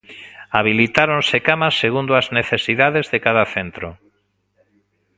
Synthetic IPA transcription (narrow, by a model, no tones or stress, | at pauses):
aβilit̪aɾonsekamaseɣund̪ʊazneθesiðaðezðekaðaθent̪ɾʊ